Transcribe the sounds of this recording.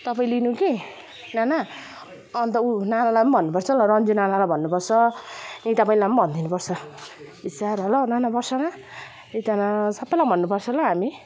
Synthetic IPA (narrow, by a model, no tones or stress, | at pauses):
t̪ʌpaĩlinũki | nana | ʌnt̪ʌunanalapʌnbʱʌnːupʌrt͡sʰʌɦlʌɾʌnd͡zunanalajbʱʌnːupʌrt͡sʰʌĩt̪ʌpaĩlajmʌnbʱʌnd̪ʱinupʌrt͡sʰʌisaɾɦʌlʌnanabʌrsʰʌna | it̪anasʌbːʌjlabʱʌnːupʌrt͡sʰʌlaɦami